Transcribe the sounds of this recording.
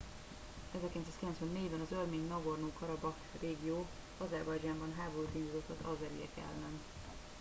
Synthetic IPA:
ɛzɛrkilɛns̬aːskilɛnsʋɛnːeːjbɛnɒzørmeːɲnɒɡornoːkɒɾɒbɒkreːɡijoː | ɒzɛrbɒjd͡ʒaːmbɒnɦaːboɾuːt̪inzid̪ot̪ːɒzɒzɛɾḭɛ̰kɛ̰lːɛn

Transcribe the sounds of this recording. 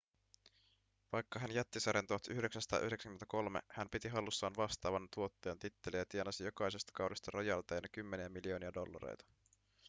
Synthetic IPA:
ʋɑjkːɑɦænjæt̪ːisɑɾent̪uɑt̪ʔyhɾe̞ksænsɑt̪ɑ̰ːʔyhɾesæŋyment̪æko̞lmḛhæmpit̪iɦɑlːusːɑːnʋɑst̪ɑːʋɑnt̪uo̞t̪ːe̞ːnt̪it̪ːe̞liæt̪ienɑsijo̞kɑjsest̪ɑ̥kɑwdest̪ɑɾɑjɑlt̪ɑjnɑkymːe̞niæmilio̞ːniædo̞lːɑ̰ɾḛjt̪ɑ̥

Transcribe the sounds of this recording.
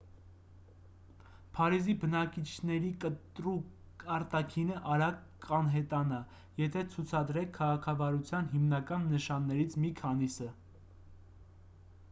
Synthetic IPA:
pʰɑɾizibənɑkit͡ʃʰnɛɾikət̪ɾuk | ɑɾt̪ɑkʰinəʔɑɾɑkː | ɑnɦɛt̪ɑnɑ | jɛt̪ʰɛt͡sʰut͡sʰɑd̪ɾɛkʰːɑʁɑkʰɑvɑɾut͡sʰjɑnɦimnɑkɑnːəʃɑnːɛɾit͡sʰmikʰɑnisə

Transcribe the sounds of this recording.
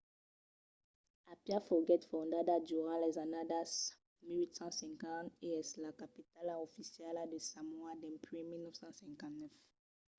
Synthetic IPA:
apjafɔɡɛtfɔandadad͡ʒuʁalɛzanadas | miɹitãsɛ̃ŋkãneɛslakapitalaofisialadesãmwadɛ̃mpɹɛ̃minɔfsãsɛ̃ŋkãnɛf

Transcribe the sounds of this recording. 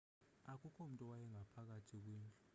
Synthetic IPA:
ak̬ʼukʰom̩tʼɔwajɛŋapʰak̬atʰik̬weːnd͡ɮʼu̥

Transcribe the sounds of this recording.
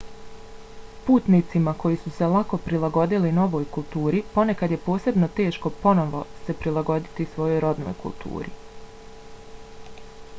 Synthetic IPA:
puːt̪nit̪simako̞jisuse̞lˠako̞pɾilˠaɡo̞d̪ilino̞ʋo̞ːjkulˠt̪uːɾipo̞ne̞kad̪je̞po̞ːse̞bno̞t̪e̞ːʃko̞po̞no̞ʋo̞se̞pɾilˠaɡo̞d̪it̪isʋo̞jo̞jɾo̞d̪no̰ːjkṵlˠt̪ʰṵːɾḭ

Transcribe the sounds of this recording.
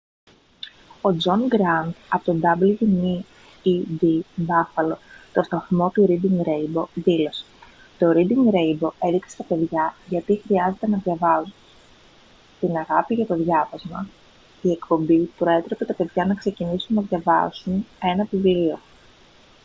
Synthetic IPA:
o̞d͡zo̞nɡɾɐnd̪ɐpot̪od̪ɐblʝini | id̪ibɐfɐlo̞t̪o̞st̪ɐθmo̞t̪uɾid̪iŋɡɾe̞jbo̞ðilo̞se̥ | t̪o̞ɾid̪iŋɡɾejbo̞e̞ðiksest̪ɐpe̞ðʝɐʝɐt̪ixɾiɐze̞t̪e̞nɐðʝɐvɐzun | t̪inɐɣɐpiʝɐt̪o̞ðʝɐvɐzmɐ | ie̞kpo̞mbipɾo̞e̞t̪ɾe̞pet̪ɐpeðʝɐnɐkse̞cinisunːɐðʝɐvɐzune̞nɐpiviɾio̞

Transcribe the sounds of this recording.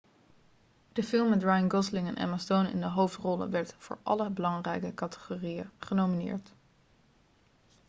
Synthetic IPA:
d̥əfɪlˠmːɛtɹɑjənɡɔslɪŋɛnʔɛ̰mastonɪ̰ndəɦowftrɔlə̰ʋɛɹtv̥ʊ̰ːɹʔɑ̰ləbəlɑŋrɛjkəkɑtə̥χoːrijəχənowminɪ̰ːɹt

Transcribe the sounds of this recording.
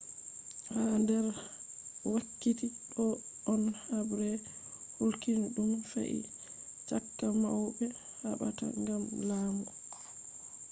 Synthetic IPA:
handɛɾ | wakːitiɗɔ | ɔnhabɾɛ | hulkinɗumfa̰ʔḭ | t͡ʃakːama̰wbɛ | haɓa̰ta̰ŋɡamlaːmu

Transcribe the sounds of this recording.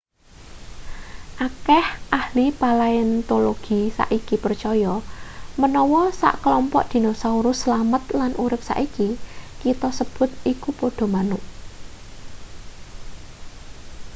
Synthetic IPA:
ʔakɛhʔahlipalaiɪnt̪oloɡ̥i̤sa̰ʔikipərt͡ʃɔjɔmənɔwɔsa̰ʔkəlɔmpɔ̰ʔd̪̥i̤nosauɾʊsːəlamət̪̚lanʔuɾɪp̚sa̰ʔikikit̪ɔsəb̥ʊ̤t̪̚ikupɔɖ̥ɔ̤manʊʔ

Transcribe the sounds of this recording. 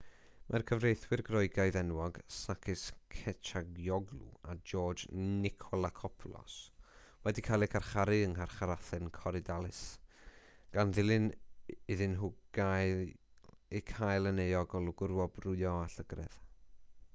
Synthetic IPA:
mʔarkʰəvrejθwɨrɡrɔɨɡaɨðɛnwɔɡ̥sakʰɪskʰɛt͡ʃʰaɡjɔɡlˠṵad͡ʒɔːd͡ʒnɪkʰɔlˠakʰɔpʰlˠɔ̰s | wɛdikʰaːlˠikʰarχaɾɨəŋharχaɾaθɛnkʰɔɾɪdalˠɪs | ɡ̥anðɪlˠɨnɪðɨnɦʊɡaj | ikʰajlˠənejɔɡɔlˠʊɡʊrwɔbrʊɨɔaɬəɡrɛ̰ð̥

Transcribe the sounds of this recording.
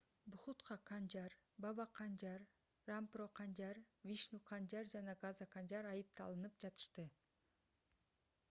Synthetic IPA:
buχut̪qɑqʰɑnd͡ʒɑɾbɑβɑqʰɑnd͡ʒɑɾː | amproqʰɑnd͡ʒɑɾvʲiʃnuqʰɑnd͡ʒɑɾd͡ʒɑnɑɡazaqɑnd͡ʒɑɾɑjɯp̚t̪ɑ̰lˠɯnɯpd͡ʒɑt̪ɯ̥ʃt̪ɯ

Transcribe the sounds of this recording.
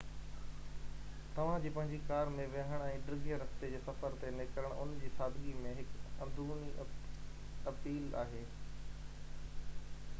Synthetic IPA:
t̪ɐʋ̤ãd͡ʑiːpɐ̃ɦɪ̃ɲd͡ʑikaːɾmẽʋeɦəɽ̃ɛ̃ːɖɾɪɡijəɾɐst̪ed͡ʑeːsɐfəɾt̪enɪkəɾəɽ̃ʊnd͡ʑiːsaːd̪ʱɡimẽɦɪkɐ̃nd̪uːni | ɐpiːla̰ːɦeː

